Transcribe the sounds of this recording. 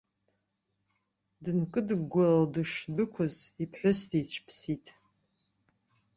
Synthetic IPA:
dɨnkʼɨdɨɡɡʷaladɨʃbɨkʷʰʊzipʰħʷʊsdejt͡ɕʷʰpʰsitʼ

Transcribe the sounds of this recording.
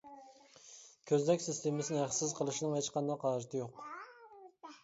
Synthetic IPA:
kʲʰøznɛkʲsɪst̪ʰemɪsɪnɪhæχsɪzqʰəlˠɨʃinɨŋɦet͡ʃqɑnd̪ɑqʰɑːʒɨt̪ʰɨjoq

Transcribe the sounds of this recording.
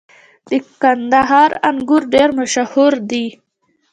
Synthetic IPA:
d̪̥əkand̪aɦɑɾaŋɡuɾɖeɾmaʃahuɾd̪i

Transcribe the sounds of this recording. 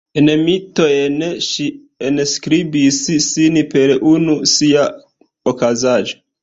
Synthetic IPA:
enemito̞jenʃi | enskɾibisisinipe̞ɾunusia | okazaʒo

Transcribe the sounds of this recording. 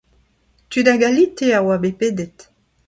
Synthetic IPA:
tydaɡalit̪eawabepedɛt

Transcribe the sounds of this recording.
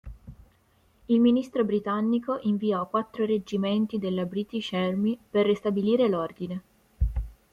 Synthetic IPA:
ilminist̪ɾobɾit̪anːikoʔiɱviɔkːwat̪ːɾored͡ʒiment̪id̪elːabɾit̪iʃɛrmiperːist̪abiliːɾelord̪ine

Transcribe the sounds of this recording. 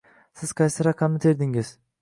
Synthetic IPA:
sɪz̥qʰɑjsɪɾɑqʰːɑmnɪt̪ʰeɾd̪ɪŋɪz̥

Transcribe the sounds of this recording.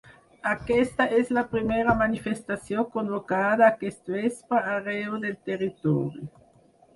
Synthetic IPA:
akɛst̪aʔɛslapɾimɛːɾamanifest̪asjoŋkonvokad̪aːkest̪oɛspaareod̪elt̪erit̪ɔɾjo

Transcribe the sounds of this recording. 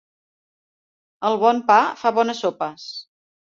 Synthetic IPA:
əlˠβɔmpafaβɔnəsːopəs

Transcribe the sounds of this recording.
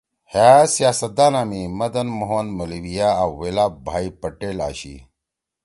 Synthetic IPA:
haːsijaːsɐt̪̚d̪aːnaːmimɐd̪ɐnmoɦonmɐliwijaawːelaːbʱaːipɐʈeːla̰ːɕḭ

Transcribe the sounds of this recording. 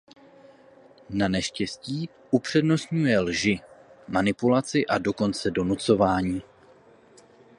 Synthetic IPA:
nanɛʃcɛsciː | ʔupr̝̥ɛdno̞st̪ɲujɛlʒɪmanɪpulat͡sɪʔado̞ko̞nt͡sɛdo̞nut͡so̞vaːɲiː

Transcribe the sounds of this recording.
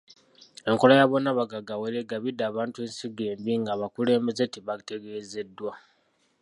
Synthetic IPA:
e̞ŋko̞lajaβo̞naβaɡaɡaweleɡaβidaːβaːntue̞ːnsiɡe̞ːmbiŋɡaβakule̞ːmbezetiβate̞ɡe̞ːze̞dːwa

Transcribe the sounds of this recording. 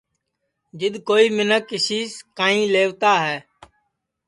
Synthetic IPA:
d͡ʒɪɗ̪koːiːmɪnəkːɪsiːskaːĩːleːʋt̪aːɦɛː

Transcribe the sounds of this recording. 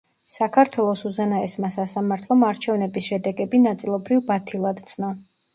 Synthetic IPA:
sakʰaɾt̪ʰwɛlˠɔsuzɛnaɛsmasasamaɾt̪ʰlˠɔmaɾt͡ʃʰɛvnɛbisʃɛd̪ɛɡɛbinat̪sʼilˠɔbɾivbat̪ʰilˠad̪t̪sʰnɔ

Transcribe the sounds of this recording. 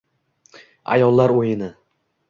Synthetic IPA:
a̰jɒlˠːaɾojɪnɪ

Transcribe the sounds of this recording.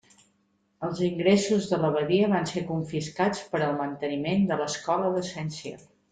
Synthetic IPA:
əlˠziŋɡɾesuzðələβəðiəβansekuɱfiskat͡spəɾəlˠmənt̪ənimend̪ələskɔləðəsɛnsiə̰

